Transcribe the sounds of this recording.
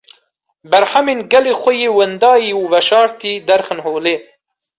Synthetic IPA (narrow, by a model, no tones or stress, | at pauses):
bɐɾħaminɡɐlixʷəjewənd̪ɑːjiuvɐʃɑːɾt̪id̪ɐɾxənhoːleː